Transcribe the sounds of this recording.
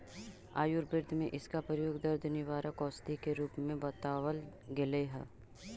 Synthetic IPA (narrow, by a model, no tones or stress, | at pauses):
a̰ːjʊɾbɪɾd̪ʱmẽʔɪskapɾəɾjoːɡd̪ɐɾd̪ʱnɪʋaːɾəkɔːst̪ikeɾuːpmẽbɐt̪aːʋəlɡɪleɦɛ̰ː